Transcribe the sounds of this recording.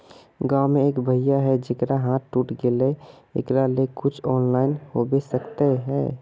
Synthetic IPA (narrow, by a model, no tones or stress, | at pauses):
ɡaːʊmẽeːkbʱəɪjaɦɛd͡ʒekɾaɦãːt̪ʈuːʈɡele | ḛkɾalekʊt͡ʃʰɔːnlaːɪnhobesəkt̪eɦɛ̰ː